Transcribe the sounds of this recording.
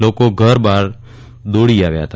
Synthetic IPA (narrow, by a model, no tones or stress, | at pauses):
loːkoɡʱəɾbaːɾ | d̪oːɽiaːʋja̰ɦət̪ʰa